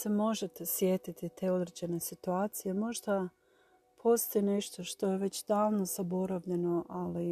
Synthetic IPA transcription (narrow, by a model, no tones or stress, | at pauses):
se̞mo̞ʒe̞t̪esje̞t̪it̪it̪ʰe̞ːo̞d̪ɾed͡ʑe̞ne̞sit̪uaːt̪sijemo̞ʒd̪a | pʰo̞st̪ojene̞ʃt̪o̞ʃt̪o̞je̞ʋe̞t͡ɕd̪aːlno̞z̥abo̞ɾaʋʎe̞no̞ʔali